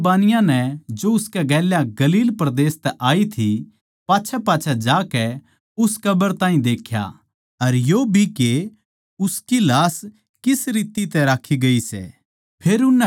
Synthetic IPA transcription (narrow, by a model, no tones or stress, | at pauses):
baːnɪjãnɛd͡ʒoʊskɛɡɛːljaɡɐliːlpɾɐd̪eːst̪ɛʔaːit̪ʰi | paːt͡ʃʰɛpaːt͡ʃʰɛd͡ʒaːkɛ | ʊskɐbəɾt̪aːɦĩd̪eːkʰja̰ | ɐɾjoːbʱike | ʊskilaːs | kɪsɾiːt̪it̪ɛɾaːkʰiɡɐisɛ̰ː | pʰeːɾʊnːɛ